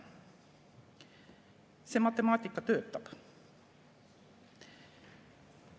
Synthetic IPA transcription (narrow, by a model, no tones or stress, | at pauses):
semɑt̪ɛmɑːt̪iːkːɑt̪øːp̚t̪ɑp